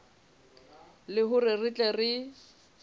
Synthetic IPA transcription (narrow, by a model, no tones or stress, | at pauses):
lɪɦʊrɪrɪt͡ɬʼɛrɪ